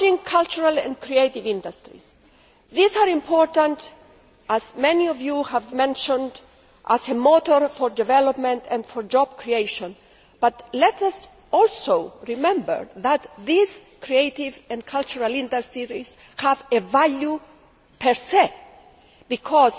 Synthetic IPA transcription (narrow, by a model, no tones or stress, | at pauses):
ĩŋkʰalt͡ʃuɹalɛ̰̃nkʰɾieɪtivɪ̃ndastɹḭs | ðizaɾĩmpʰɔɹtãnt | azmɛniɔvjuhævmɛ̃nʃɔ̃nd | ʔasemot̪ɔɹfɔɹdɛvɛlɔpmɛ̃ntɛ̃nfɔɹd͡ʒɔb̥̚kʰɹieɪʃɔ̃n | b̥at̪lɛtas | ɔlsoʊɹimɛ̃mbə̰ɹðæt̪ðizkʰɾieɪtivɛ̃nkʰalt͡ʃuɹalɪ̃nd̪əɹsiɾiz | hævevalju | pʰɛɹse | bikʰɔz